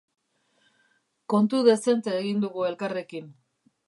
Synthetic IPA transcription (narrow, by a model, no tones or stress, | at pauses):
ko̞nt̪uðe̞se̞nt̪eːɣind̪uɣue̞lkare̞kin